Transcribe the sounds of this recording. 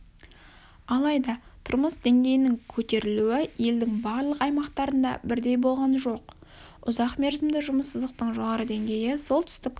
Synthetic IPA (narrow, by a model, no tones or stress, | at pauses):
ɑlˠɑjd̪ɑt̪ʰʊɾməsd̪e̞ŋɡʲe̞jɪnɪŋkʲʰɵt̪e̞ɾɪluɪje̞ld̪ɪŋbɑɾlˠəqɑjmɑqt̪ɑɾənd̪ɑ̰bɪɾd̪e̞jbo̞lˠʁɑnʒo̞q | ʊzɑqme̞ɾzɪmd̪ɪʒʊməsːəzd̪əq̚t̪əɴʒo̞ʁɑɾəd̪e̞ŋɡʲe̞jɪso̞lˠt̪ʰʏ̥st̪ɪk